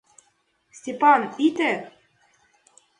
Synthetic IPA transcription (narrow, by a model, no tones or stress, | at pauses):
sʲtʲepɑnit̪e